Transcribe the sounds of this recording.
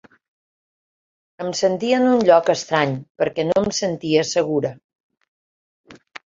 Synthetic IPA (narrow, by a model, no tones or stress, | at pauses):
əmsənt̪iəənunʎɔkəst̪ɾaɲpəɾkɛnoəmsənt̪iəsəɣ̞uɾə